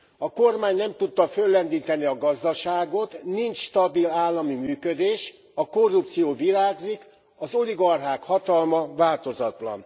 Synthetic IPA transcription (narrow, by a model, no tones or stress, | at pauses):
ɒko̞rmaːɲnɛmt̪ut̪ːɒfølːɛnd̪iːt̪ɛniɒɡɒzd̪ɒʃaːɡo̞t̪nint͡ʃʃt̪ɒbilaːlːɒmimyːkød̪eːʃ | ɒko̞rːup̚t̪sijoːviɾaːɡzik | ɒzo̞liɡɒrɦaːkhɒt̪ɒlmɒvaːlt̪o̞zɒt̪lɒ̰n